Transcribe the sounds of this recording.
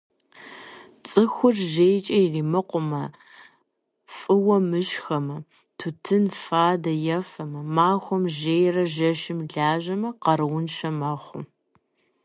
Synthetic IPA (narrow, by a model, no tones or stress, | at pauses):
t͡sʼɨxʷʊrʒeːjt͡ʃʼɐjriːmɨqʷʊmɐ | fʼɨwɐmɨʃxɐmɐ | tʰʊtʰɨnfaːdɐjɐfɐmɐmaːxʷɔmʒeːjrɐʒɐʃɪmɮaːʒɐmɐqɐɾɨwʊnʃɐmɐχʷʊ̰